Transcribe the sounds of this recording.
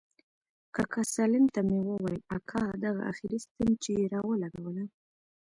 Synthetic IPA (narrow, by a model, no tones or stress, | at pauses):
kakʰasalɪmt̪amewəwɑjakʰɑd̪aɣa̰ʔa̰xiɾist̪ənt͡ʃeɾɑwəlaɡawəla